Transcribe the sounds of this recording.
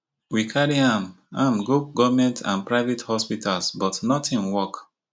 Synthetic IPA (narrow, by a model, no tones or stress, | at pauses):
wikʰaɾiãm | ãmɡup̚ɡɔvmɛ̃ntʰã̰npɹaɪvɛthɔspitʰalsbɔtnɔtʰĩnwɔk